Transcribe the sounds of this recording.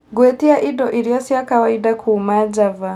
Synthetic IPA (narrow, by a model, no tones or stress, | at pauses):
ɡwɛtiaʔidɔʔiɾijɔsiakawaidakʰuːmad͡ʒava